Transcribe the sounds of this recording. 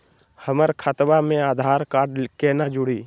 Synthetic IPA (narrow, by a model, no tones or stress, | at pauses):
həməɾkʰat̪ʋamẽaːd̪ʱaːɾkaːɖkeːnad͡ʒʊɽiː